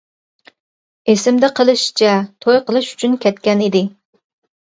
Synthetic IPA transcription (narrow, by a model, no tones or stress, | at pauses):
esɪmd̪ɪqʰəlˠɨʃt͡ʃʰɛt̪ʰojqəlˠɨʃy̥t͡ʃʰynkʲɛt̪kʲɛnid̪ɪ